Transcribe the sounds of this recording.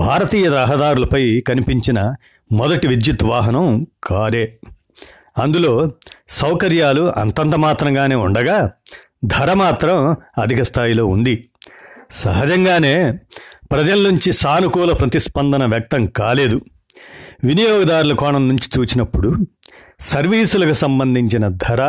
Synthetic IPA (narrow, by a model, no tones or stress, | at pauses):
bʱaːɾɐt̪iːjɐɾɐɦɐd̪aːɾulɐpɐjkɐnipiɲt͡ʃinɐ | mɔd̪ɐʈiʋid̪jut̪ʋaːɦɐnɐmkʰaːɾeː | ɐnd̪ulo̞ːsɐwkɐɾjaːluɐ̰nt̪ɐnt̪ɐmaːt̪ɾɐŋɡaːne̞ːuɳɖɐɡaː | d̪ʱɐɾɐmaːt̪ɾɐmɐd̪ʱikɐst̪ʰaːjilo̞ːund̪i | sɐɦɐd͡ʒɐŋɡaːne̞ːpɾɐd͡ʒɐlnuɲt͡ʃisaːnukuːlɐpɾɐt̪ispɐnd̪ʱɐnɐʋjɐk̚t̪ɐŋkaːle̞ːd̪u | ʋinijɔːɡɐd̪aːɾulɐkɔːɳɐmnuɲt͡ʃi̥t͡ʃuːt͡ʃinɐpːuɽu | sɐɾʋiːsulɐkusɐmbɐnd̪ʱiɲt͡ʃinɐd̪ʱɐɾɐ